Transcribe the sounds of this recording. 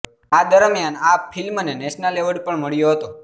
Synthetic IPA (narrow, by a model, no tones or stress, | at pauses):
ad̪əɾmjanapfilmnenɛʃnaleʋəɭpəɳməɭjoɦət̪o